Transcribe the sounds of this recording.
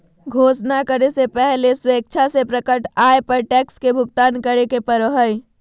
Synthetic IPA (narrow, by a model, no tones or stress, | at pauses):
ɡʱosnakəɾesepɛɦleswek̚t͡ʃʰasepɾəkəʈaepəɾʈɛkskebʱʊɡ̚t̪aːnkəɾekepəɾəɦəj